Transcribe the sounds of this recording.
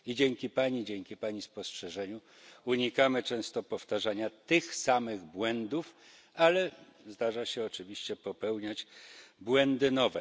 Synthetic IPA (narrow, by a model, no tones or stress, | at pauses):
id͡ʑɛŋkʲipaɲid͡ʑɛŋkʲipaɲispɔstʂɛʐɛɲu | uɲikamɘt͡ʂɛ̃w̃st̪ɔpɔft̪aʐaɲat̪ɘxsamɘɣbwɛnd̪uf | alɛ | zd̪aʐaɕɛɔt͡ʂɘvʲiɕt͡ɕɛpɔpɛwɲad͡ʑbwɛnd̪ɘnɔvɛ